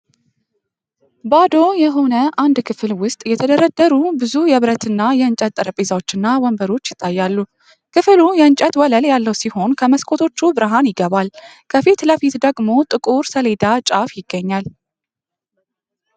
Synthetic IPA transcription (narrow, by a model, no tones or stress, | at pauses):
bad̪o̞jɛɦo̞nəand̪kʰɨfɨlwʊst̪ʼjɛt̪ʰəd̪əɾəd̪ːəɾubɨzujɛβɾət̪ʰɨnːajɛɨnt͡ʃʼət̪ʼːɨɾəpʼizawo̞t͡ʃːɨnːawɔmbəɾo̞t͡ʃːjɪt̪ʼːajːalːu | kʰɨfɨlujɛɨnt͡ʃʼət̪wɔləljalːəwsiho̞nkʰəməskʰʼo̞t̪ʰo̞t͡ʃːubɨɾɨɦanjɪɡəβalkʰəfit̪ləfit̪d̪əɡmo̞t̪ʼɨkʼuɾsəle̞d̪at͡ʃʼafjɪɡːəɲːal